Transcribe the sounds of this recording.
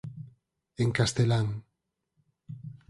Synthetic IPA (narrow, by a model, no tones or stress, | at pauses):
eŋkast̪elaŋ